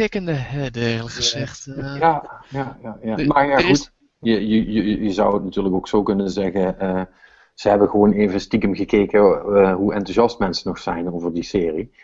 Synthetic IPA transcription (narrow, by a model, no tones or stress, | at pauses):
ɪkəndəɦɛdlˠəəzɛxtjajajajaːmaːɹjaːɣut | jəjəjəjəzʌwətnatyːɹləkoksoːkɵnənzɛɣəə | z̥əɦɛbəɣəʋoːneːvənəstikəmɣəkeːkəɦuʔɛntuzɑstmɛnsənɔxsɛjnowvəɹdisɪːri